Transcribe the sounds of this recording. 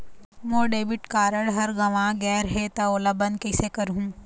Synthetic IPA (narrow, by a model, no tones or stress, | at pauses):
moːɖeːʋɪʈkaːɾəɽɦɐɾɡɐʋãːɡɛːɾɦet̪ɐoːlabɐnkɐɪsekɐɾɦũː